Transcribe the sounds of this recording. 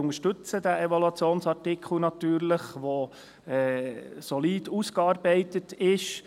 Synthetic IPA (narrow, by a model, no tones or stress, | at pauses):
ʊŋəʃtɵt͡səd̥æeʋɔlɑt͡sjoːnsɑɾtɪkχl̩nɑt̪yːɾləχʋo | ɛːsɔliːduːskɑːɾbɛɪtətɪʃ